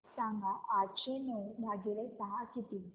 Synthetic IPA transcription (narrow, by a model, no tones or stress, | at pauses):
sãŋɡaʔat͡ɕenubʱaɡilesaɦakit̪i